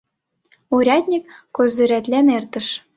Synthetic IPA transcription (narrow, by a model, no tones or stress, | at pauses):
uɾʲɑt̪ʲnʲikːozø̆ɾæt̪lʲænert̪ə̆ʃ